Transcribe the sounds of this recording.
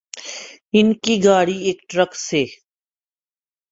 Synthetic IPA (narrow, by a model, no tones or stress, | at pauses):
ɪnkiɡaːɽiːeːkʈɾəkseː